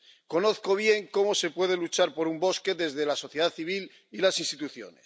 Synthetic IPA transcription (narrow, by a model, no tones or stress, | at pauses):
ko̞noθko̞β̞je̞ŋko̞mo̞se̞pwe̞ð̞elut͡ʃaɾpo̞ɾumbo̞ske̞ðe̞zðe̞lasoθje̞ðaθiβ̞il | ilasinst̪it̪uθjo̞̰nes